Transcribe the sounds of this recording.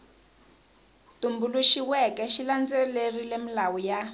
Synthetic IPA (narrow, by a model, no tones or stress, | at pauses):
tumbuluʃiwɛkɛʃiland͡zɛlerilemilawuja